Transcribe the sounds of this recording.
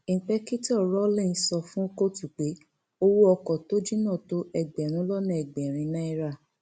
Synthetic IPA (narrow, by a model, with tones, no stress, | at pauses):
i˨k͡pɛ˦ki˦tɔ˦˨ɾo˦lĩ˦˨˦sɔ˧fũ˦ko˦tu˨k͡pe˨˦ | o˦wo˦ɔ˧kɔ˨to˦d͡ʒi˦nã˦˨to˦ɛ˧ɡ͡bɛ˨ɾ̃ũ˨˦lɔ˦nã˦ɛ˨ɡ͡bɛ˨ɾ̃ĩ˧nã˦i˦ɾa˦˨